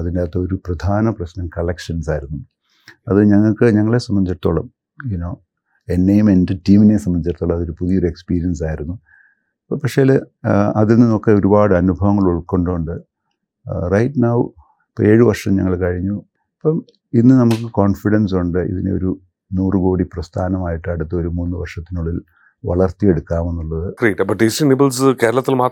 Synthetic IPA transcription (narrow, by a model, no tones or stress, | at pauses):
ɐðindet̪ːɐo̞ɾuprɐd̪ʱaːnɐprɐɕnɐmkɐɭekʂɐnsaːjiɾunːu | ɐðɨɲɐŋːɐɭkɨɲɐŋːɐɭe̞sɐmːɐɲd͡ʑiʈt̪ːuɭːɐm | junoː | e̞nːejume̞ndetiːminesɐmːɐɲd͡ʑit̪ːuɭːɐɐðoɾupuðijo̞ɾue̞kspiːɾijɐnsaːjiɾunːu | ɐpːɐpɐkʂejaːlɐðilnino̞kːeo̞ɾubaːɽɨɐnubʱɐʋɐŋːɐɭuɭkːoɳɖouɳɖɨ | rɐjʈnɐw | peːɻɨʋɐrʂɐmɲɐŋːɐɭkɐɻiɲːu | ɐpːɐm | inːɨnɐmukːɨkoːnfiɽɐns̬uɳɖɨḭðineo̰ɾu | nuːrɨko̞ːɽiprɐst̪ʰaːnɐmaːjiʈːɨɐɽut̪ːɨo̞ɾumunːɨʋɐrʂɐt̪ːinuɭɐðil | ʋɐ̰ɭɐrt̪ːijeɽukːaːme̞nːuɭːɐðɨriʈːbɐʈɖisinibɐlsɨke̞ːɾɐɭɐt̪ːilmaː